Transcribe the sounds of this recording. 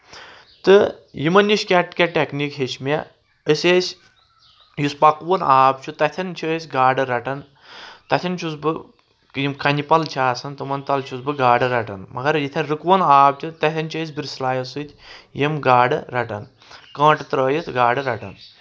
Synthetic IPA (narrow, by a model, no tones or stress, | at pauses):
t̪ɨ | jimɐnjiʃkʲaʈkʲɐʈʲeknikɦet͡ʃmʲe | əsʲeːsʲ | juspɐkʋɐnaːbt͡ʃʰut̪ɐt̪ʰɐnt͡ʃʰəːsʲɡaːɖɨɾɐʈɐn | t̪ɐt̪ʰʲɐnt͡ʃʰusbɨ | jimkɐnʲipɐlt͡ʃʰaːsɐnt̪ɨmɐnt̪ɐlt͡ʃʰusbɨɡaːɖɨɾɐʈɐ̰nmɐɡɐɾjit̪ʰɐnɾɨkʋɐnaːb̚t̪ʲʰut̪ɐt̪ʰʲɐnt͡ʃʰɐːs̬ʲbiɾslaːjɐsɨt̪ʲjimɡaːɖɨɾɐʈɐ̰n | kɐ̃ːʈɨt̪ɾəːjit̪ʰɡaːɖɨɾɐʈɐ̰n